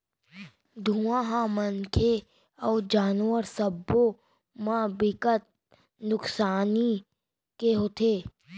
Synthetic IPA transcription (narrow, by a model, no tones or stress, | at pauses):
d̪ʱuãːɦãmənkʰe | ɔːd͡ʒaːnwəɾsəbːo | mãbɪkət̪̚ | nʊksaːni | keɦot̪ʰeː